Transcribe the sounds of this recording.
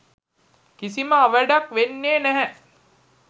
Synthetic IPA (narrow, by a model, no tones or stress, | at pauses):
kisiməaʋəɖakʋenːeːnɛɦɛ